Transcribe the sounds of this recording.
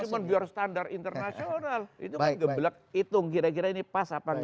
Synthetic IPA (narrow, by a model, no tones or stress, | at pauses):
umənbiarst̪andarint̪ərnasionalḭt̪ukanɡəbbəlak̚ | it̪ʊŋkiɾak̬iɾainipasapa